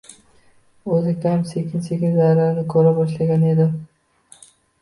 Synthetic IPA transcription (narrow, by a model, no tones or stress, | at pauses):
ozɪkʲʰamsekʲʰɪnsekʲɪzaɾanɪkʰɵɾabɒʃlaɡʲane̞d̪ɪm